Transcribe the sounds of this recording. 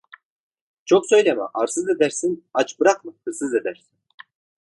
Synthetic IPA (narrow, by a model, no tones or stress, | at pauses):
t͡ʃʰoksøjlʲamɛ̰ʔaɾsɯzed̪æɾsinat͡ʃbɯɾaqmɯhɯɾsɯze̞d̪æɾsin